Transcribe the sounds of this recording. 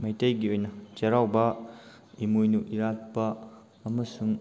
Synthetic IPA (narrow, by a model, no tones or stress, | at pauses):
mɐjtejɡiojnɐt͡ʃeɾawbɐ | imujnuʔiɾat̚pɐː | mɐsuŋ